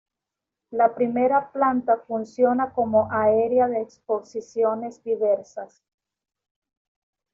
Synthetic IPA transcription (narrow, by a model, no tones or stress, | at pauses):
lapɾime̞ɾaplant̪afunsjo̞nako̞moʔaeɾeaðeːkspo̞sisjo̞ne̞zd̪iβeɾsas